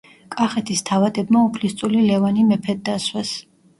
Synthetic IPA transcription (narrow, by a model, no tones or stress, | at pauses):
kʼaχɛt̪ʰist̪ʰavad̪ɛbmaupʰlist̪sʼulilɛvanimɛpʰɛd̪̚ːaswɛs